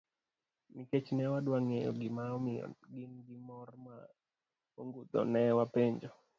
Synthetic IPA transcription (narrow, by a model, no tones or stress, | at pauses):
miket͡ʃnɛwadwaŋejɔ̰ɡɪma̰ɡɪnɡɪmɔrma | oŋɡut̪ɔ̰nɛwapeɲd͡ʒɔ